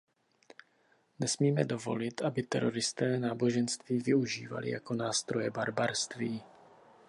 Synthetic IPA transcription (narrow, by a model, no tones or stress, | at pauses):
nɛsmiːmɛdo̞vo̞̰lɪt̪ʔabɪt̪ɛ̰ɾo̞ɾɪst̪ɛːnaːbo̞ʒɛnst̪viːvɪuʒiːva̰lɪ̰ja̰ko̞naːst̪ɾo̞jɛbaɾbaɾst̪viː